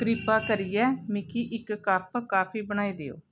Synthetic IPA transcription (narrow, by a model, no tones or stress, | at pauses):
kɾɪpaːkəɾijɛːmɪkʰiːʔɪkːəɾpkaːpʰiːbəɽ̃aːiːd̪eːo̰ː